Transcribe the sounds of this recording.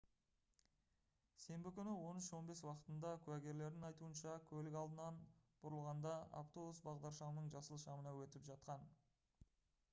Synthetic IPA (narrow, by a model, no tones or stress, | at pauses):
se̞mbɪkʲʰʏnɪwo̞nʏʃwo̞nbe̞swɑqə̥t̪ənd̪ɑkʲʰʉæɡʲe̞ɾle̞ɾd̪ɪŋɑjt̪uənʃɑkʲʰɵlɪkɑlˠd̪ənɑnb̥ʊɾəlˠʁɑnd̪ɑa̰ft̪o̞busbɑʁd̪ɑɾʃɑmənəɴʒɑsəlˠʃɑmənɑwɵt̪ɪpʒɑt̪qɑn